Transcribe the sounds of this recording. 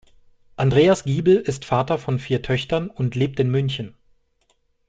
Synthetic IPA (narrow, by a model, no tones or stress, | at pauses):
ʔandʁeːasɡ̥iːbl̩ɪstfaːtɐfɔnfiːɐtʰœçtɐnʊntʰleːp̚tɪnmʏnçən